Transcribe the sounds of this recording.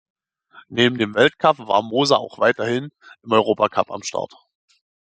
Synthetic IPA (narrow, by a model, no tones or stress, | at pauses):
neːbm̩deːmvɛltkʰapv̥a̰ːɐmoːzaʔa̰ʊxv̥aɪtɐhɪnʔɪmɔʏʁ̞oːpakʰa̰pa̰mʃtʰa̰ɐt